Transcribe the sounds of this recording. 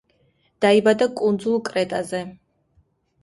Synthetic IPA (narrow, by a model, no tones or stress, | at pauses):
d̪̥aibad̪akʼund̪zulˠkʼɾɛt̪ʼazɛ